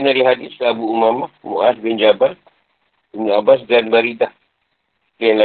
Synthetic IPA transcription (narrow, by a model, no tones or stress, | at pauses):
naliɦadislabuumamaʔmṵʔat̚bɛnd͡ʒabal | unabas̬danbaɾidah | lianla